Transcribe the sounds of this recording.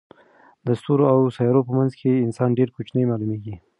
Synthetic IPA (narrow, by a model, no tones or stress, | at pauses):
d̪əst̪uɾoawsɑjɑɾopəmanzkʰeɪnsɑnɖeɾkot͡ʃnəjmɑlumeɡi